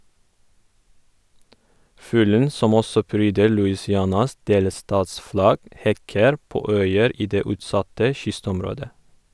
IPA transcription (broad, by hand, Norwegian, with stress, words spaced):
ˈfʉːlən ˈsɔm ˈɔsɔ ˈpɾyːdə ɭʉɪsɪˈɑnɑs ˈdeːləˌstɑːtsˌflɑɡ ˈhɛkəɾ ˈpoː ˈœʏəɾ ˈiː ˈdeː ˈʉːtˌsɑtə ˈʃʏstɔmˌɾoːdə